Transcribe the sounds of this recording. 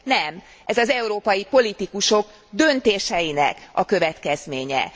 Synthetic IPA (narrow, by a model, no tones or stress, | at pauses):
nɛm | ɛzɒzɛuɾoːpɒjipo̞lit̪ikuʃo̞ɡ | d̪ønt̪eːʃɛjinɛ̰kɒ̰kø̞vɛt̪kɛzmeːɲɛ̰